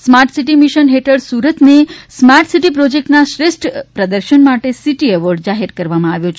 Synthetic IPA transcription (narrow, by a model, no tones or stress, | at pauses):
smaɾʈsiʈimiʃənɦeʈʰəɭsuɾət̪nesmaɾʈsiʈipɾod͡ʒek̚ʈnaʃɾeʃʈʰpɾəd̪əɾʃənmaʈesiʈiəʋoɾɖd͡ʒaɦeɾkəɾʋamãaʋjõt͡ʃʰ